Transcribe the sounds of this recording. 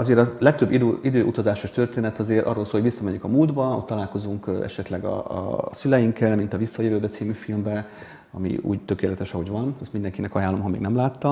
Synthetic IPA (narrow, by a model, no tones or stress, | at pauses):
ɒzeːɾɒlɛk̚t̪øbːid̪øid̪øːʔut̪ɒzaːʃoʃt̪ørt̪eːnɛt̪ɒzeːrɾʔɒ̰rːoːlsoːlhoɟbisːɒmɛɲyŋkɒmuːld̪bɒo̰tt̪ɒlaːlko̞zuŋkɛ̰ʃɛt̪lɛɡɒ̰sylɛjiŋkːɛlmint̪ɒvisːɒjøvøːbɛt̪siːmyfilmbɛ | ɒ̰mḭṵːɟt̪ø̞keːlɛt̪ɛʃɒɦo̞ɟvɒnɛst̪mind̪ɛŋkinɛkɒjaːlːo̞mɦɒmeːɡnɛmlaːt̪ːɒ